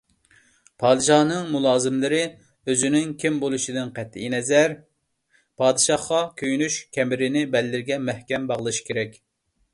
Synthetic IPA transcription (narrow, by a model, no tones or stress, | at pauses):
pʰɑːd̪ɨʃɑːnɨŋmulˠɑːzɨmlɪɾɪ | øzynɪŋkʲʰimbolˠuʃid̪ɪnqɛt̪ʰːɪinɛzæɾ | pʰɑːd̪ɨʃɑχqɑkʲʰøjynyʃkʲʰɛmɪɾɪnɪbɛlːɪɾɪɡʲɛmɛhkʲɛmbɑʁəlˠɨʃi̥kʲʰeɾɛkʲ